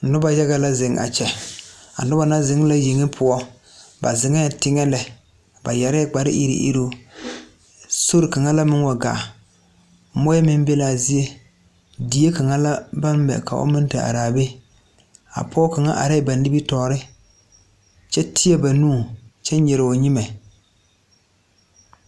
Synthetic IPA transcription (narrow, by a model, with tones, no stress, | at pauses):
nʊ˦ba˦jɛ˦ɣa˦la˦zɪ˨ŋʔa̰˨t͡ʃɛ˨a̰˨nʊ˦ba˦na˦zɪ˨ŋ˦la˦ji˨ŋɪ˦pʰʊ˦ɔ˦ | ba̰˨zɪ˨ŋɛ˦˨tɪ˦ŋɛ˦lɛ˨ | ba˨ja˨ɾɛ˦k͡pa˨ɾɪ̰˦ʔḭ˦ɾḭ˦ʔḭ˦ɾo˦ | so˦ɾɪ˨ka˨ŋa˦la˦mɪ˦ŋwa˨ɡa̰˨˦ | mɔ˦jɛ˦mɪ˦m˦bɛ˦laː˨zi˦je˦ | di˨˦e˦ka˨ŋa˦la˦ba˦m˦bɛ̰˨ka̰˨ʔo̰˦mɪ˦n˦tɨ˨a̰˨ɾaː˨be˦ | a̰˨pʰɔ˦ka˨ŋa̰˦ʔa̰˨ɾɛ˦˨ba˨n˦dɪ˦bi˦tɔː˨ɾɪ˦ | t͡ʃɛ˦tʰɪ˦ɛ˦ba˨nuː˦˨t͡ʃɛ˦n˦ɲɛ˨ɾɪ˨o˨ɲɪ˦ma˨